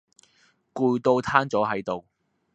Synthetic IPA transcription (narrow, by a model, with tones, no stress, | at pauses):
kuː˨˧jt̪o˧wt̪ʰaː˥nt͡sɔː˨˥ɦɐ˨˥jt̪o˨w